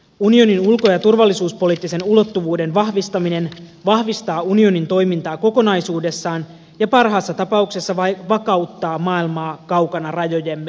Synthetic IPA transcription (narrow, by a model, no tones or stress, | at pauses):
unio̞ninulko̞jɑt̪urʋɑlːisuːspo̞liːt̪ːise̞nulo̞t̪ːuʋuːde̞nʋɑɦʋist̪ɑmine̞nʋɑhʋist̪ɑːunio̞nint̪o̞jmint̪ɑːko̞ko̞nɑjsuːde̞sːɑːn | jɑpɑrɦɑːsːɑt̪ɑpɑukse̞sːɑʋɑkɑwt̪ːɑːmɑːilmɑːkɑwkɑnɑrɑjo̞je̞mː